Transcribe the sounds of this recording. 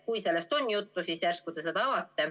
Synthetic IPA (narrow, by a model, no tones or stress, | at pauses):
kujselːest̪o̞njut̪ːusiːsjærskud̪esed̪ɑɑvɑt̪ːe